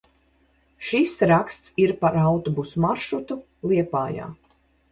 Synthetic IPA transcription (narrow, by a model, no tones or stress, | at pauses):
ʃisɾakst̪siɾpaɾawt̪ɔbusmaɾʃɾut̪u | lˠiɛpaːja̰ː